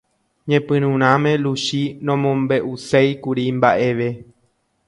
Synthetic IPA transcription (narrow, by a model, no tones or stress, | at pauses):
ɲẽpɨ̃ɾ̃ũɾ̃ãmẽ̞luʃinõmõmbe̞ʔusejkuɾimbaʔe̞ʋe